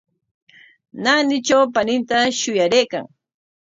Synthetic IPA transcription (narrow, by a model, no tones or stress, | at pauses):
nanɪt͡ʃawpanɪnt̪aʃʊjaɾejka̰ŋ